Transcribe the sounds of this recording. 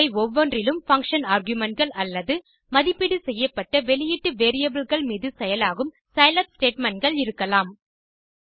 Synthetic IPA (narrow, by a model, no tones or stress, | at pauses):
ɪɔʋːɔndrɪlɯmfɐŋkʂɐnaːɾɡjɯmɐn̚ɡɐɭɐlːɐðɯ | mɐðɪpːɪɽɯsɛjːɐpːɐʈːɐʋɛɭɪjɪʈːɯʋeːɾɪjɐbɪlɣɐɭmiːðɯsɛjɐlaːɣɯm | sɐjlɐpsʈeːʈmɛɳɡɐɭɪɾɯkːɐlaːm